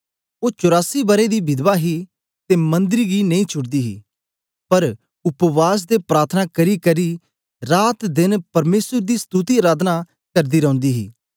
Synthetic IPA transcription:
oːt͡ʃʊɾaːsibɐɾed̪ibɪd̪ʋaɦi | t̪emɐ̃nd̪ɪɾiɡinɐ̃ĩt͡ʃʰʊʈd̪iːɦḭː | pɐɾ | ʊpʋaːs̬d̪epɾaːɾt̪ʰənakɐɾikɐɾi | ɾaːt̪d̪ɪnpɐɾmeːsəɾd̪iːst̪uːt̪iɐɾaːd̪na | kɐɾd̪iːɾɐ̃ʊ̃nd̪iːɦḭː

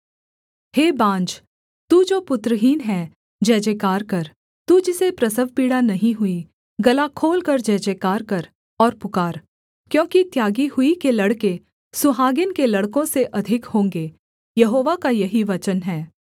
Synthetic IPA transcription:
heːbãːɲd͡ʒ | t̪uːd͡ʒoːpʊt̪ɾəɦiːnɦɛː | d͡ʒɛːd͡ʒeːkaːɾkɐɾ | t̪ud͡ʒɪsepɾɐsəʋpiːɽanɐɦĩɦʊi | ɡɐlakʰoːlkɐɾd͡ʒɛːd͡ʒeːkaːɾkɐɾ | ɔːɾpʊkaːɾ | kjõːkit̪jaːɡihʊikelɐɽke | sʊɦaːɡɪnkelɐɽkõseʔɐd̪ʱɪkhõːŋɡeː | jɐɦoːʋakajɐɦiʋɐt͡ʃənɦɛː

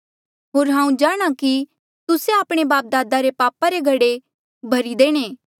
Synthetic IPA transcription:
ɦoːɾɦãːũd͡ʒaːɽ̃aki | t̪ʊseaːpɽ̃ebaːp̚d̪aːd̪aɾepaːpaɾeɡʱɐɽe | bʱɐɾid̪eːɽ̃eː

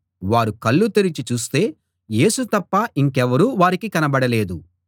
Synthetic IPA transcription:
ʋaːɾukɐlːut̪iɾit͡ʃit͡ʃuːst̪e̞ː | je̞ːsut̪ɐpːɐʔiŋkɛʋɐɾuːʋaːɾikikɐnɐbɐɽɐle̞ːd̪u

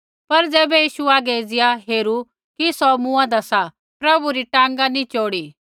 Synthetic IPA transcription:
pɐɾd͡zɛːbɛjiːʃuaːɡed͡zɪjaɦeːɾu | kisɔmũːãd̪ɐsa | pɾɐbuɾiʈãːŋɡanĩt͡ʃoːɽi

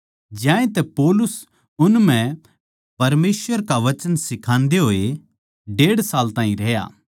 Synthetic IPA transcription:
d͡ʒjãːẽt̪ɛpɔːlʊs | ʊnmɛ̃ | pɐɾmeːsʋəɾkaʋɐt͡ʃənsɪkʰãːnd̪eɦoːe | ɖeːɽsaːlt̪ãːĩɾɛɦja̰ː

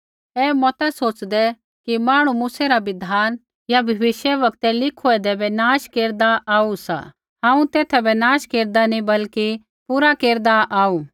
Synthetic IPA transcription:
ɛːmɔt̪ɛsoːt͡ʃd̪ɛ | kimaːɽ̃umuːsɛɾaʋɪd̪ʱaːn | jabʱɐʋɪʃjɛʋɐkt̪ɛlɪkʰuɛd̪ɛbɛnaːʃkeːɾd̪aʔaːusa̰ | ɦãːũt̪eːt̪ʰɛbɛnaːʃkeːɾd̪anĩbɐlki | puːɾakeːɾd̪aʔaːuː

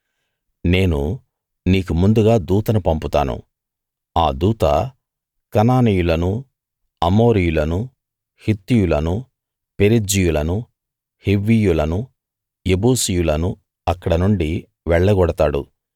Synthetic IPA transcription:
ne̞ːnu | niːkumund̪uɡaːd̪uːt̪ɐnupɐmput̪a̰ːnṵ | aːd̪uːt̪ɐ̰ | kɐnaːnijulɐnu | ɐmo̞ːɾijulɐnu | hit̪ːijulɐnu | pe̞ɾid͡ʒijulɐnu | heʋːijulɐnu | ebuːsijulɐnu | ɐkːɐɽɐnuɳɖi | ʋɛɭːɐɡɔɽɐt̪aːɽṵ

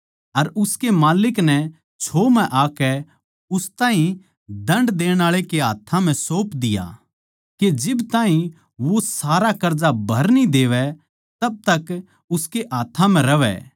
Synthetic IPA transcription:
ɐɾʊskemaːlɪknɛ | t͡ʃʰoːmɛ̃ʔaːkɛ | ʊst̪ãːɦĩ | d̪ɐ̃ɳɖd̪eːɽ̃aːɭekeɦa̰ːt̪ʰãm̤ɛ̃soːpd̪ɪja̰ | ked͡ʒɪbt̪aːɦĩ | ʋosaːɾakɐɾd͡ʒabʱɐɾnĩd̪eːʋɛ | t̪ɐb̚t̪ɐk | ʊskeʔaːt̪ʰːãm̤ɛ̃ɾɐʋɛ̰

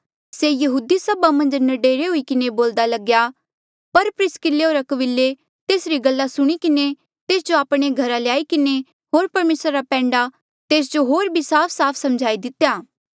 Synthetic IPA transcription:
sejɐɦuːd̪isɐbamɐ̃nd͡ʒnɐɖeːɾeɦʊikɪneboːld̪alɐɡja | pɐɾpɾɪskɪleɦoːɾɐkəbɪlːe | t̪eːsɾiɡɐlːasʊɽ̃ikɪne | t̪eːsd͡ʒoaːpɽ̃eɡʱɐɾaljaːikɪne | ɦoːɾpɐɾmeːsɾaɾapɛ̃ːɳɖa | t̪eːs̬d͡ʒoɦoːɾbʱisaːpʰsaːpʰsɐmd͡ʒʱaːid̪ɪt̪jaː

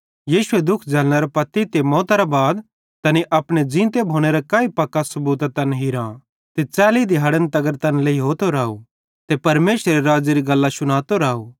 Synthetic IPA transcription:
jiːʃʊed̪ʊkʰd͡zɛːlñɐɾapɐt̪ːit̪emɔːt̪aɾabaːd̪ | t̪ɐniʔɐpɽ̃ed͡ʒĩːt̪ebʱoːɽ̃eɾakãːipɐkːasɐbuːt̪at̪ɐnɦiɾã | t̪et͡sɛːlid̪ɪɦaːɽənt̪ɐɡəɾt̪ɐnlɐiɦoːt̪oɾaːo | t̪epɐɾmeːsɾeɾaːd͡ʒeɾiɡɐlːasʊɽ̃aːt̪oɾaːoː

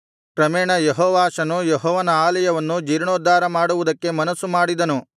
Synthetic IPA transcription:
kɾɐmɛːɳɐjeɦɔːʋaːʃɐnujeɦɔːʋɐnɐaːlɐjɐʋɐnːud͡ʒiːɾɳoːd̪aːɾɐmaːɽuʋud̪ɐkːe̞mɐnɐsːumaːɽid̪ɐnu

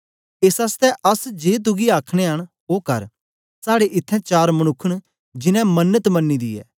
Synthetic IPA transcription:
eːsaːst̪ɛʔɐsd͡ʒeːt̪̬ʊɡiaːkʰɽ̃eɦɐɽ̃ | oːkɐɾ | saːɽeʔɪt̪ʰːɛ̃t͡ʃaːɾmɐɽ̃ʊkʰːəɽ̃ | d͡ʒɪnɛ̃mɐnːət̪mɐnːid̪ḭːɛ̰ː

